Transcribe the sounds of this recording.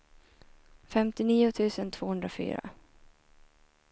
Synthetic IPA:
fɛmt̪ɪniːʊt̪ʰʉ̟ːsənt̪ʰv̥oːhɵnd̪ɾafy̰ːɾa̰

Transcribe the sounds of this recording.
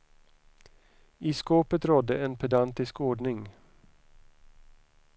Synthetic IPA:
ɪskoːpət̪ɾɔd̪ːəɛnpʰɛd̪ant̪ɪskoːɖɳɪŋ

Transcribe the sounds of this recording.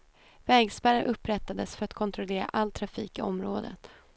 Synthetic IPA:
vɛːɡspæɾəɾʔɵpːɾɛt̪ːad̪əsfœɾat̪kʰɔnt̪ʰɾɔleːɾa̰ʔalt̪ʰɾafiːkɪɔmɾoːd̪ə̰t̪

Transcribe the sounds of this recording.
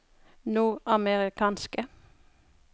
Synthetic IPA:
nuːɑməʁɪkʰɑːnskə

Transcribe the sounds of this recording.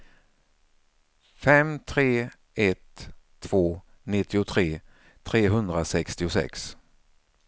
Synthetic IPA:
fɛmt̪ʰɾeː | ɛt̪ʰː | v̥oː | nɪt̪ʰːɪʊt̪ʰɾeː | t̪ʰɾeːɦɵnd̪ɾasɛkst̪ɪʊsɛ̰ks

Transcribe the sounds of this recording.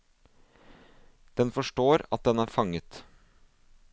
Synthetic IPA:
d̪̥ɛnfɔʂʈoːɾɑ̰t̪̚d̪ɛnæːɾfɑŋət̪

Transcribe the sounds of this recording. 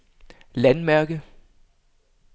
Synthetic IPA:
lænmæɐɡ̥ə

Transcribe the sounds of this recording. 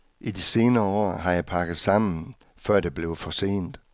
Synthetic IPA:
ʔidise̝ːnɐːɒ̰ːɦɑ̈jɑ̈ɪpʰɑ̈ɡ̥ð̩ˠsɑ̈m̰n̩ | fɶɐ̰d̥e̝b̥le̝ʊfɒ̽se̝̰ːnd̥

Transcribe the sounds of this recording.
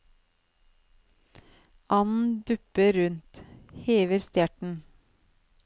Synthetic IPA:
ʔɑnn̩d̪ʉpəɾɾʉnt̪heːʋəɾst̪jæʈɳ̩

